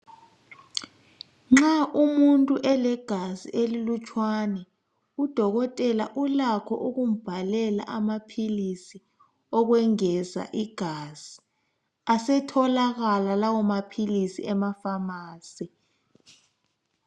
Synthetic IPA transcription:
ŋ͡ǁaʔumuntʼuʔɛlɛɡ̥ʱazḭʔelilut͡ʃʰʼwanɛ | ud̥ʱɔɣɔtʼɛla̰ʔulakʰɔ̰ʔuɣum̩b̥ʱalɛla̰ʔamapʰilisi | ɔɣ̬wɛŋɛza̰ʔiɡ̥ʱaːz̥i | asɛtʰɔlaɣalalawɔmapʰilisḭɛmafamaːsi

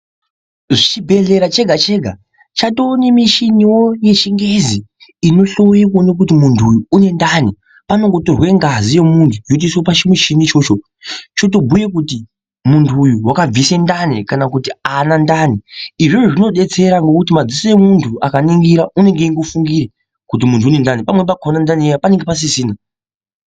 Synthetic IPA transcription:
ʐit͡ʃibʱe̞ɮe̞ɾat͡ʃe̞ɡʱat͡ʃe̞ːɡʱa | t͡ʃato̞ːnimiʃiniwo̞je̞t͡ʃiŋɡe̞ziino̞ɬo̞wekono̞k̬ut̬imuntʰuːjuːne̞ndani | pano̞ŋɡo̞torwe̞ŋɡazije̞muntʰujot̬isopat͡ʃimiʃinit͡ʃo̞ːt͡ʃo̞ | t͡ʃo̞t̬obujekuti | muntʰuːjuwakab͡visendanikanakutianandaniiʐiʐoʐino̞ɗe̞t͡se̞ɾaŋɡo̞kutimad͡zisoje̞muntʰuakaniŋɡiɾaʔune̞ŋɡeiŋɡofuŋɡiɾe | kut̬imuntʰuːne̞ndanipamwe̞p̬akonandaniejapane̞ŋɡe̞pas̬isiːna

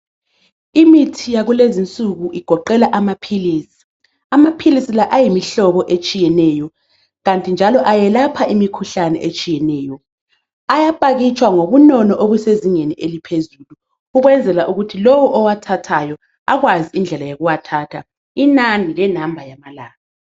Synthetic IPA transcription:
imitʰijaɣulezint͡sʼuɣuʔiɡ̥ʱɔǃɛlaʔamapʰiliːsi̥ | amapʰilisilaʔajimiɬɔβɔʔet͡ʃʼijɛnɛːjɔ | ɣantʼind͡ʒʱalɔʔajɛlapʰaʔimikʰuɬanɛ̰ʔet͡ʃʼijɛnɛːjɔ | ajapʼaɣit͡ʃʼwaŋoβunɔnɔʔoβuseziŋeniʔelipʰezuːlu | uɣwɛnd͡zʱɛlaʔuɣutʰilowuʔɔwatʰatʰajɔ | a̰ɣwaziind͡ɮʱɛlajoɣuwatʰaːtʰa̰ | inanilɛnambʱajamalaːɣa

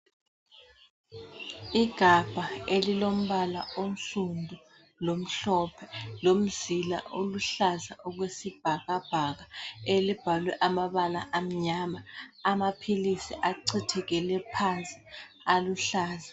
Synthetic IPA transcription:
iɡ̥ʱab̥ʱaelilom̩βala̰on̩ɬundʱu | lom̩ɬɔpʰɛlom̩zila̰ʔoluɬazaʔuɣwesib̥ʱaɣab̥ʱaɣaelib̥ʱalwɛʔamaβala̰ʔam̩ɲamaamapʰilisiʔaǀitʰɛɣɛlɛpʰant͡sʼi̥ | aluɬaːza

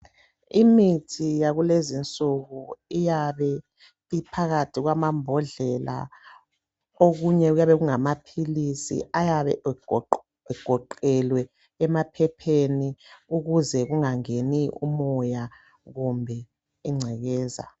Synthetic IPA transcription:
imitʰijaɣulezint͡sʼuɣuijaβɛ | ipʰaɣatʰiɣwamambʱɔɮɛlʔa̰ | oɣuɲɛujaβɛɣuŋamapʰilisḭajaβɛ̰ | ɛɡ̥ʱɔǃɛlwɛː | mapʰɛpʰeniuɣuzɛɣuŋaŋeniṵmɔja | ɣumbʱɛ | iŋ͡ǀʱɛɣɛːza̰

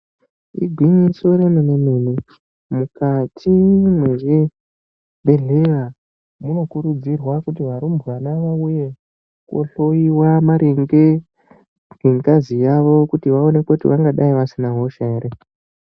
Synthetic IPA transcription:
ḭɡʱwiɲiso̞ɾenememene | mukatʰimwe̞ʐe | be̞ɮeʋa | muno̞kuɾud͡zirwakutiʋaɾumbwanaʋauje̞ | kwo̰ɬo̞iwamaɾeŋɡe | ɡeŋkazijaʋo̞kutiʋao̞ne̞kotiʋaŋɡaɗaiʋasinaɦo̞ʃaeɾe

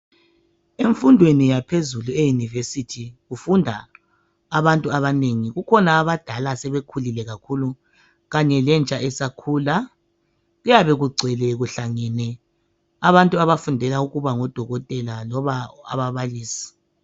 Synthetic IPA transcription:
eɱfundʱwenijapʰezuluejunivesitʰiɣufundʱa̰ː | βantʼuaβaneŋiɣukʰɔnaːβad̥ʱalasɛβekʰulilɛɣakʰulu | ɣaɲɛlɛnt͡ʃʼaʔɛsakʰula | ɣujaβɛɣuɡ͡ǀʱɛlɛɣuɬaŋɛnɛ | aβantʼuaβafundʱɛlauɣuβaŋɔd̥ʱɔɣɔtʼɛlalɔβaa̰βaβaliːsi̥

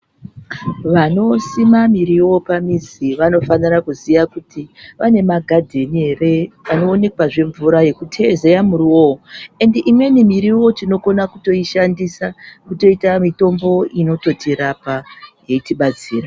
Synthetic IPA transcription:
ʋano̞simamiɾiwo̞pamiziʋano̞fanirakuziʋakutʰiʋane̞maɡʱadʱe̞niɦe̞re̞ano̞ːne̞kwaʐe̞ɱvuɾaje̞kutʰe̞ze̞jamuɾiooe̞ndeʔimwe̞nimiɾiwo̞tino̞ko̞nakuto̞iʃandisakuto̞itamito̞mbo̞ino̞to̞tiɾapaje̞itiɓat͡siːra

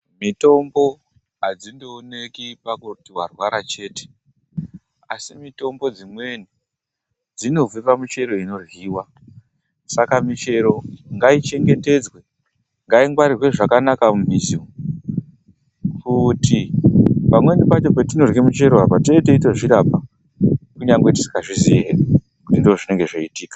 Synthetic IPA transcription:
mito̞mbo̞ | ɦad͡zindoːne̞kipakutiwa̰rwaɾat͡ʃe̞ːte̥ | asimito̞mbo̞d͡zimwe̞ni | d͡zino̞vipamut͡ʃe̞ɾo̞ino̞rwiːwa | sakamit͡ʃe̞ɾo̞ŋɡait͡ʃe̞ŋɡe̞te̞d͡zwe̞ | ŋɡaiŋɡwaɾirwe̞ʐakanakamubʱizio | kʰutipamwe̞nipat͡ʃo̞petino̞rɣemut͡ʃe̞ɾo̞ɦapateteitoʐiɾapa | kuɲaŋɡweti̥si̥kaʐiziɦe | kutindoʐine̞ŋɡe̞ʐoitiːkḁ

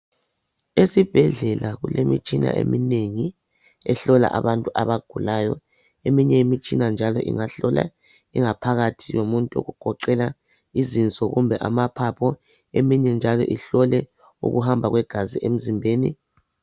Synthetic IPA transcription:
esib̥ʱɛɮɛlaɣulemit͡ʃʼina̰ʔḛmineŋi | ɛɬɔla̰ʔaβantʼuʔaβaɡ̥ʱulajɔ | emiɲɛimit͡ʃʼinand͡ʒʱalɔ̰ʔḭŋaɬɔla̰ | iŋapʰaɣatʰijomuntʼuo̰ɣuɡ̥ʱɔǃɛla | izint͡sʼɔɣumbʱɛʔamapʰapʰɔ | emiɲɛnd͡ʒʱalɔ̰ʔiɬɔlɛ | ṵɣuɦambʱaɣwɛɡ̥ʱaziʔem̩zimbʱeːni

